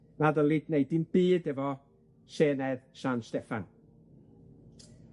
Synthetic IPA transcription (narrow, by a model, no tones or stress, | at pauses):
naðəlˠidnejdinb̥iːdɛvɔ | seːnɛðsanstɛfan